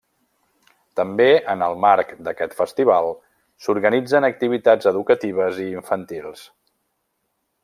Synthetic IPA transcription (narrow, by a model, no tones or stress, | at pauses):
t̪əmbeənəlˠmaɾkd̪əkɛt̪fəst̪iβ̞alˠ | suɾɣənid͡zənək̚t̪iβ̞it̪azəðukət̪iβ̞əziːɱfənt̪ilˠs